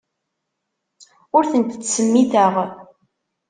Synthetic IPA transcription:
ʊɾθənt̪t͡sːsəmːiθəʁ

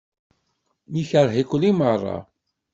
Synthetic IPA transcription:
miçəɾˤɦikʷəlːimərˤːɑ̰

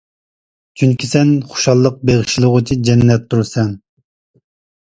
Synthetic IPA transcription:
t͡ʃʰyŋkʲʰisɛnχo̥ʃɑlˠːəq̚beʁɨʃilˠʊʁʊt͡ʃʰid͡ʒɛnːɛt̪̚d̪uɾsɛn

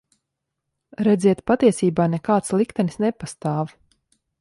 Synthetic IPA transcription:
ɾɛd̪ziɛt̪pat̪iɛsiːbaːnɛkaːt̪slˠikt̪ɛnisnɛpast̪aːv

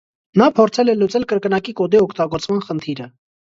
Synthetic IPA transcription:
nɑpʰɔɾt͡sʰɛlɛlut͡sɛlkəɾkənɑkikɔd̪iɔkʰt̪ɑɡɔɾt͡smɑnχənt̪ʰiɾə

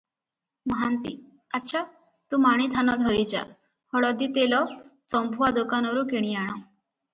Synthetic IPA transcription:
mɔɦant̪i | atːʃʰa | t̪ũmaɽ̃it̪ʰanɔd̪ʱɔɾid͡ʒa̰ | hɔɭɔd̪it̪elɔsɔmbʱuwad̪okanɔɾukeɽ̃iaɽ̃ɔ

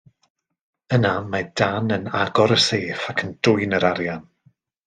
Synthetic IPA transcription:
ənamad̥anəna̰ɡɔɾəseːfakʰənd̥ʊɨnəɾaɾjan

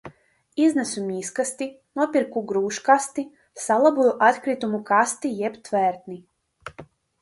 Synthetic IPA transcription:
iznɛsumʲiːskast̪inuɔpiɾkuɡɾuːʃkast̪i | salˠabujuʔat̪kɾit̪umukast̪ijɛpt̪vɛɾt̪ni

